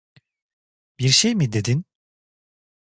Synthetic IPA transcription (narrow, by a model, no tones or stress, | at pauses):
b̥iɾʃejmid̪e̞d̪in